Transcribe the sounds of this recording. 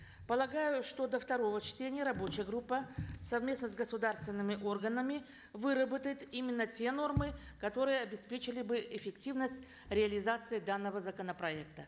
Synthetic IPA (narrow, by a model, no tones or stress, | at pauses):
pəlˠɐɡajʊʂt̪o̞d̪əft̪ɐɾo̞vət͡ɕtʲenʲɪjəɾɐbo̞t͡ɕɪjəɡɾupːəsɐvmʲe̞snəzɡəsʊd̪arst̪vʲɪnːɨmʲɪʔo̞rɡənəmʲɪ | vɨɾəbət̪əjɪt̪imʲɪnːətʲe̞no̞rmɨ | kɐt̪o̞ɾɨjəɐbʲɪspʲet͡ɕɪlʲɪbɨʔɪfʲɪktʲivnəsʲtʲ | ɾʲɪɐlʲɪzat̪sɨɪd̪anːəvəzəkənəpɾɐɛkt̪ə